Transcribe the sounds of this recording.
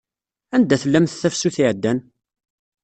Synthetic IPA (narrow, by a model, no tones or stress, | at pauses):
ænd̪æθəlːæmθθæfsuθiʕəd̪ːæn